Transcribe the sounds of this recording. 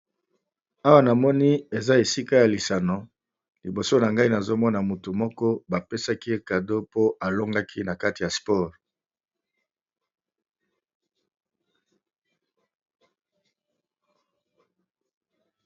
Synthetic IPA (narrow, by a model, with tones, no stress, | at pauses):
a˦wa˦na˨mɔ˦ni˦e˨za˦e˨si˦ka˦ja˨li˨sa˨no˨˦ | li˨bo˨so˦na˨ŋɡa˦i˦na˨zo˦mɔ˦na˨mu˨tu˨mɔ˦kɔ˦ba˨pe˦sa˦ki˦e˦ka˨do˦po˦ʔa˨lo˦ŋɡa˦kʰi˦na˨ka˦ti˨ja˨spɔ˦˨ʁ